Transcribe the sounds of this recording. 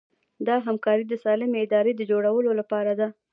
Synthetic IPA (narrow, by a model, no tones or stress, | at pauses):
d̪ɑɦamkɑɾid̪əsɑlɪmeɪd̪ɑɾed̪əd͡ʒoɽawəlolapɑɾad̪a